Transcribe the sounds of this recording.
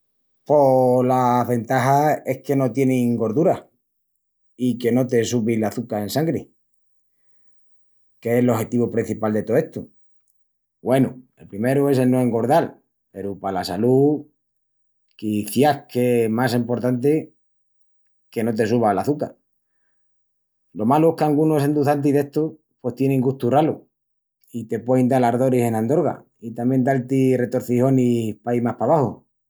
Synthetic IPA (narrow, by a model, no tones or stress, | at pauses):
po̞laβe̞nt̪aɦae̞hke̞no̞t̪je̞nĩŋɡo̞ɾðuɾa | ike̞no̞t̪e̞suβilaθukae̞nsaŋɡɾe | keelo̞he̞t̪iβupɾin̟θipald̪e̞t̪oe̞ht̪u | ɡwe̞nue̞lpɾime̞ɾue̞s̬elnoeŋɡo̞ɾð̞al | pe̞ɾupalasalu | kiθjahke̞masempo̞ɾt̪ant̪̬e | ke̞no̞t̪̬e̞suβ̞alaθuka̰ɾ | lo̞maloehkeaŋɡunoe̞send̪uθant̪̬iðe̞ht̪o | pwe̞st̪je̞nẽŋɡuht̪uralu | it̪e̞pwejnd̪alaɾðo̞ɾise̞nãnd̪o̞ɾɣa̰ | it̪amje̞nd̪alt̪ire̞t̪o̞ɾθiho̞nipajmahpaβ̞aho̰